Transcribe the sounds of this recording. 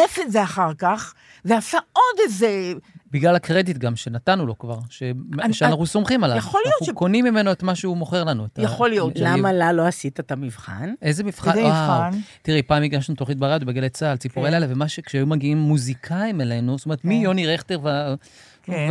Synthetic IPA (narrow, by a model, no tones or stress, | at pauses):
efetzeaχaʁkaχ | veasaod̪ezebiɡlalakʁe̞d̪itɡamʃe̞natanulo̞kvaʁʃeʃanaχnuso̞mχimalaaχolijoukonimːime̞no̞et̪maʃeumo̞χe̞ʁlanuetajaχolijollamalaloasit̪at̪amivχa̰nʔezemivχaaantiʁepaːmiɡaʃnut̪oχit̪̚baʁad̪ubeɡelet͡salt͡sipuʁelalevemaʃekʃeajumaɡiimːuzikʰaimele̞nustome̞ʁetmijo̞niʁeχt̪eʁva | v